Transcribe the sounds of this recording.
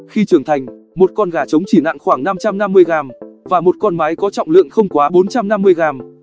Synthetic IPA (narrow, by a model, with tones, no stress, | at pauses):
xi˧t͡ɕɨ˧˩əŋt̪ʰa˨˩jŋ̟ | mo˨˩t̚kɔ˧nɣaː˧˩t͡ɕə˨˦wŋ͡mt͡ɕi˧˩na̰ː˧˨ŋxwaː˧˩ŋna˧mt͡ɕa˧mna˧mːɨ˧əjɣaː˨˩mvaː˨˩mo˨˩t̚kɔ˧nma˨˦jkɔ˨˦t͡ɕɔ̰˧˨wŋ͡mlɨ̰˧˨əŋxə˧wŋ͡mkwaː˨˦ɓo˨˦nt͡ɕa˧mna˧mːɨ˧əjɣaː˨˩m